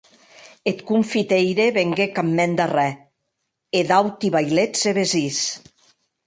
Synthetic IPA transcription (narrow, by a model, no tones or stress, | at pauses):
et̪kuɱfit̪ejɾeβeŋɡekamːɛnd̪arɛ | eðawt̪iβajleseβezis